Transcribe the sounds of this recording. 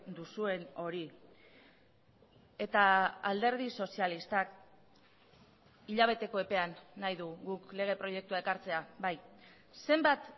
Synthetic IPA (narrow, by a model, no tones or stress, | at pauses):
d̪usue̞no̞ɾi | e̞t̪aald̪e̞ɾð̞iso̞sialist̪ak | iʎaβ̞e̞t̪e̞ko̞e̞pe̞anːajðuɣukle̞ɣ̞e̞pɾo̞je̞k̚t̪uae̞kaɾt͡se̞aβaj | se̞mbat̪